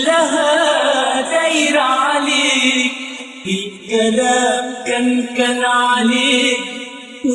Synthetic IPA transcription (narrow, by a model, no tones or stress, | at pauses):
lɐɦɐ | d̪ɐiɾaːli | ikːɐlɐkɐnkɐnaːni